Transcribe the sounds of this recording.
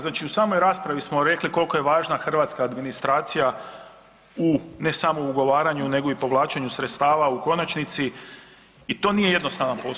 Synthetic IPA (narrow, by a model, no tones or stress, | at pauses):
znaːt͡ʃiusaːmo̞jɾaːspɾaʋismo̞ɾe̞kliko̞lko̞je̞ʋaːʒnaxr̩ʋaːt̪skaːd̪minist̪ɾaːt̪sija | une̞samo̞uɡo̞ʋaːɾaɲune̞ɡo̞ipo̞ʋlˠaːt͡ʃeɲusɾet̪st̪aːʋauko̞nat͡ʃnit̪siː | t̪o̞ːnije̞je̞d̪no̞st̪aʋnanpo